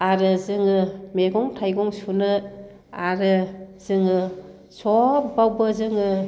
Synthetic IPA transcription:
aɾɯzɯŋɯmeɡɔŋtʰajɡɔŋsunɯ | aɾɯz̥ɯŋɯ | sɔɾbawbɯzɯŋɯ

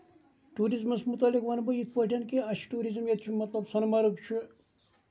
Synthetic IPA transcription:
ʈuːɾizmɐsmut̪ɐlikʋɐnbəjit̪̚ʰpəʈʰʲenkeɐʃʰi̥ʈuːɾizmjet̪t͡ʃʰumɐt̪lɐbsɐnmɐɾukt͡ʃʰu

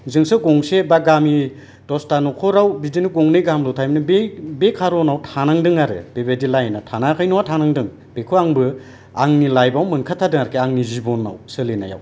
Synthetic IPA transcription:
zɯŋsɯɡɔŋsebaɡami | tɔstanɔkʰɔɾawbidiniɡɔŋnɯjɡamlɔtʰajmnɯbebekʰaɾɔnawtʰanaŋdɯŋaɾɯ̰b̥ebedilajnatʰanakʰɯjnɔwatʰanaŋdɯŋ | b̥ekʰɯaŋbɯ | aŋnilajbawmɯnkʰatʰadɯŋaɾkʰeaŋnizibɔnːa̰wsɯlena̰ja̰w

